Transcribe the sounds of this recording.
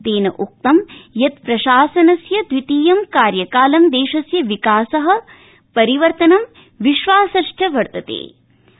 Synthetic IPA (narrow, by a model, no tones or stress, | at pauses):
d̪eːnɐʔuk̚t̪ɐmjɐt̪̚pɾɐʃaːsɐnɐsjɐd̪ʋit̪iːjɐmkaːɾjɐkaːlɐmd̪eːʃɐsjɐʋikaːsɐɦɐ̆ | pɐɾiʋɐɾt̪ɐnɐm | ʋiʃʋaːsɐʂʈʰɐʋɐɾt̪ɐt̪ḛː